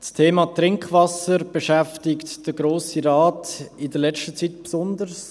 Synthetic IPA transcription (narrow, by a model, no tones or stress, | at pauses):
stʰeːmɑtɾɪŋkvɑsəɾb̥eʃɛftɪktd̥əɡɾoːsiɾɑːtɪdəɾlɛt͡ʃtət͡sitpsʊndəɾs